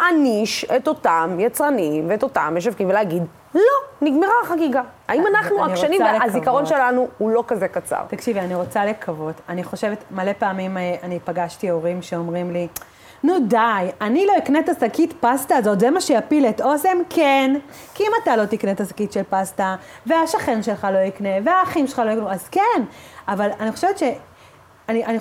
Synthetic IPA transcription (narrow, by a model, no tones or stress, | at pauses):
aniʃeto̞tamjat͡sʁanimveetotameʃ̬avkimveleaɡid | lo̞niɡmeʁaχaɡiɡaaimanaχnuanikʃʁanimveazikaʁo̞nʃelanuhulo̞kazekat͡sa̰ʁt̪akʃivianiʁo̞t͡salekʰavo̞taniχo̞ʃevet̪male̞peːmimeanipaɡaʃtioʁimʃe̞o̞mʁimli | nudajanilo̞iknetasakitpastaːzo̞tzemaʃejapileto̞se̞mkʰenkiimatalo̞tiknetasḁkitʃelpasta | ve̞aʃaχenʃe̞lχaloikne̞veaːχimʃelχalojknuazkenavalaniχoʃe̞vet̪ʃe̞ | aniʔani